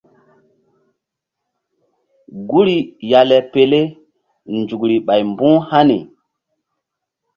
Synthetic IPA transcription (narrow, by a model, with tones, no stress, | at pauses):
ɡu˦ɾi˨ja˨lɛ˨pe˨le˦ | nd͡ʒu˨kɾi˨ɓa˨jmbũ˦ha˦nḭ˨